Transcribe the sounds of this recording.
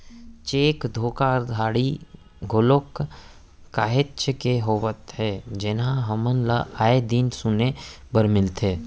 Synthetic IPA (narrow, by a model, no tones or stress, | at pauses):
t͡ʃeːkd̪ʱoːkaɾd̪ʱaːɽi | ɡʱʊlokː | aːɦɪtt͡ʃkeɦoːʋət̪ɦɛːd͡ʒɪnɦãɦəmənlaʔaːed̪insʊne | bəɾmɪlt̪ʰeː